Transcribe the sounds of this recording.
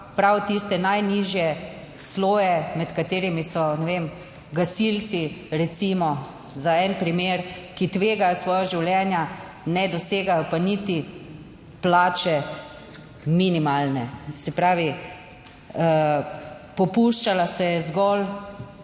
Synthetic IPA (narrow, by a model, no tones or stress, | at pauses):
pɾawt̪ist̪ɛnajniʒjɛ | sloːjɛmɛt̪kat̪eːɾimisɔnɛʋem | ɡasilt̪t͡ssiɾɛt̪simɔ | zaɛnpɾimeːɾkit̪ʋeːɡajɔsʋɔːjaʒiwljɛːnja | nɛd̪ɔseːɡajɔpanit̪i | plaːt͡ʃɛ | minimalnɛsɛpɾaːʋi | pɔpuʃt͡ʃalasɛjɛzɡɔl